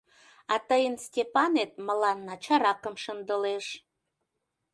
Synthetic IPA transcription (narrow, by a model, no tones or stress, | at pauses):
ɑt̪əjənstʲepɑnet̪̚mə̆lɑnːɑt͡ɕɑɾɑkəmʃənd̪əleʃ